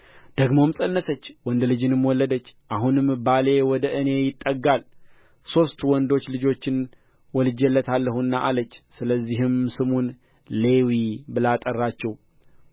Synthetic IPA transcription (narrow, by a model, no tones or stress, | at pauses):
d̪̥əɡmo̞msʼənːəsət͡ʃːwɔnd̪lɨd͡ʒɪnɨmwɔlːəd̪ət͡ʃːʔaɦunɨmːɨbale̞wɔd̪əʔɨne̞jɪt̪ʼːəɡal | so̞st̪wɔnd̪o̞t͡ʃːlɨd͡ʒo̞t͡ʃːɪn | wɔlɨd͡ʒɛlːət̪ʰalːəhunːaʔalət͡ʃːsɨləzːiɦɪmsɨmun | le̞wibɨlat̪ʼərːat͡ʃːɛw